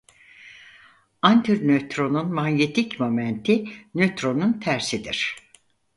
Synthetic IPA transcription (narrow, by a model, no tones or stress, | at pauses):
ant̪ʰyɾnøt̪ɾo̞nunmaɲjet̪ʰicmomænt̪ʰinøt̪ɾo̞nunt̪ʰæɾsid̪iɾ̥